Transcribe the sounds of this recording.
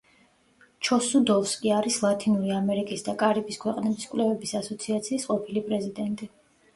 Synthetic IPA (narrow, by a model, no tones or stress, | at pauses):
t͡ʃʰɔsud̪ɔfskʼiaɾislˠat̪ʰʼinuɾiamɛɾikʼisd̪akʼaɾibiskʰwɛqʼnɛbiskʼlɛvɛbisasɔt̪sʰiat̪sʰiːsqʼɔpʰilipʼɾɛzid̪ɛnt̪ʼi